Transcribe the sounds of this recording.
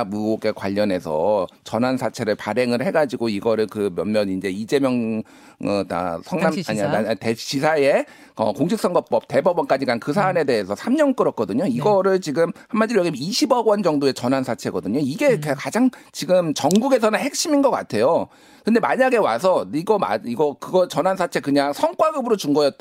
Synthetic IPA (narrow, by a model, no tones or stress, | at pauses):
muoɡekwa̰ʎːʌne̞sʰʌ̰t͡ɕʌnɦansʰat͡ɕʰe̞ɾɯɭpaɾe̞ŋɯɭhe̞ɡad͡ʑiɡoiɡʌɾɯɭkɯmjʌnmjʌnind͡ʑe̞id͡ʑe̞mjʌŋ | ɯta̰sʰʌŋnamaɲatet͡ɕisʰaje̞ | ʌkoŋɕʰik̚s͈ʌŋɡʌp͈ʌp̚te̞bʌbʌnk͈ad͡ʑiɡankɯs̬ʰaːne̞de̞esʰʌsʰamɲʌŋk͈ɯɾʌk̚k͈ʌdɯɲoiɡʌɾɯɭt͡ɕiɡɯmhamːad͡ʑijʌɡimiɕʰibʌɡwʌnd͡ʑʌŋdoe̞t͡ɕʌnɦansʰat͡ɕʰe̞ɡʌdɯɲoiɡe̞kkad͡ʑaŋt͡ɕiɡɯmt͡ɕʌŋɡuɡe̞sʰʌnɯnhe̞k̚ɕ͈iminɡʌk͈a̰tʰe̞jo | kɯndemaɲaɡe̞wa̰s̬ʰʌiɡʌma̰iɡʌkɯɡʌt͡ɕʌnɦansʰat͡ɕʰe̞kɯɲaŋsʰʌŋk͈waɡɯbɯɾot͡ɕuŋɡʌjʌt̚t͈